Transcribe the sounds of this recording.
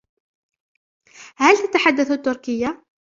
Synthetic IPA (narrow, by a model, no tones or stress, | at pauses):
hælt̪at̪aħad̪ːaθut̪ːʊɾkəjːa